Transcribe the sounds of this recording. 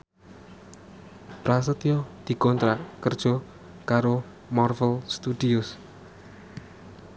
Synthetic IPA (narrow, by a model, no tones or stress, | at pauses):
pɾasət̪ijɔd̪̥i̤kɔnt̪ɾakərd̥ʒ̥ɔ̤ | kaɾo | mɔrfəlst̪ud̪̥iʊs